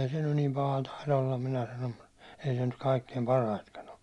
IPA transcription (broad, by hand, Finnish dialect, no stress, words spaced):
eː se nyn nim pɑhɑ tɑilɑ olːɑm minæ sɑnom mut ei se nyt kɑikːeim pɑrɑitkɑn o